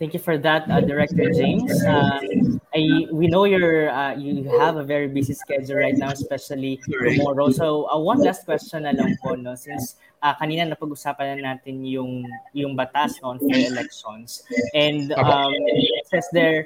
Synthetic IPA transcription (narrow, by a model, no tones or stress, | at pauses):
t̪ɛ̃ŋkjufɔɹðɐt̪ɐd̪ɛɹɛk̚t̪ɔɹd͡ʒẽjmsaʔɐjwinowjɔɹɐjuhɐvɐvɛɹibisiskɛd͡ʒʊlɹajt̪̚nawɛspɛʃɐlit̪ʊmɔɹosoʔɐwɐnlast̪̚kwɛst͡ʃɔ̃nɐlɐmpoʔnosɪns | ʔɐkɐniːnɐnɐpɐɡʔʊsaːpɐnɐnaːt̪ɪnjʊŋjʊŋbɐt̪asnonfɔɹɛlɛk̚ʃɔ̃nsʔɛ̃nd̪msɛsd̪ɛɹ